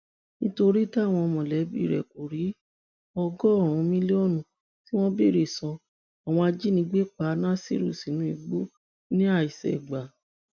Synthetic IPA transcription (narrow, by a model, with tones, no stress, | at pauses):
nĩ˦to˧ɾi˦ta˦˨w̃ɔ̃˧ɔ˧mɔ̃˨lɛ˨˦bḭ˦˨ɾɛ̰˨ku˨ɾi˨˦ | ɔ˧ɡɔ˦ɔ̃˦˨ũ˧mĩ˦li˦o˦˨nũ˨ | ti˦w̃ɔ̃˦bi˦˨ɾi˨sɔ̃˧ | a˨w̃ɔ̃˧a˧d͡ʒi˦nĩ˧˦ɡ͡be˦k͡pa˨˦nã˦sḭ˦ɾṵ˦˨si˨nũ˨˦i˧ɡ͡bo˦ | nĩ˦a˦˨i˨sɛ̰˨ɡ͡ba˨